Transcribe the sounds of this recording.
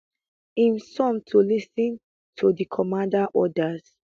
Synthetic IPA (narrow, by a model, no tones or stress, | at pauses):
imsɔ̃mtʰulisĩn | tʰudikʰɔmãndaʔɔdaz̥